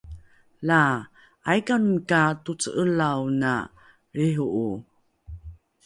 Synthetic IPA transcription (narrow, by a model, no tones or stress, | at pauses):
la | ʔajkankatut͡səʔəlawna̰ | ɾiɦuʔu